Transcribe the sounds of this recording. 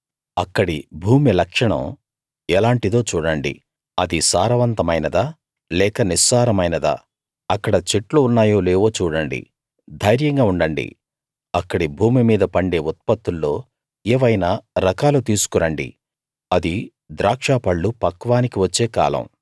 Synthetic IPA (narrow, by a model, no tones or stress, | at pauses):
ɐkːɐɽibʱuːmilɐkʂɐɳɐ̰̃m | ɛlaːɳʈid̪o̞ːt͡ʃuːɽɐɳɖḭ | ɐd̪isaːɾɐʋɐnt̪ɐmɐjnɐd̪aː | lɛːkɐnisaːɾɐmɐjnɐd̪a̰ː | ɐkːɐɽɐt͡ʃeʈluːnːaːjo̞ːleːʋo̞ːt͡ʃuːɽɐɳɖḭ | d̪ʱɐjɾjɐŋɡaːuɳɖɐɳɖḭ | ɐkːɐɽibʱuːmimiːd̪ɐpɐɳɖe̞ːut̪̚pɐt̪ːulːo̞ː | ɛːʋɐjnaːɾɐkaːlut̪iːsu̥kuɾɐɳɖḭ | ɐd̪i | d̪ɾaːkʂaːpɐɭːupɐkʋaːnikiʋɐt͡ʃːe̞ːka̰ːlɐ̰̃m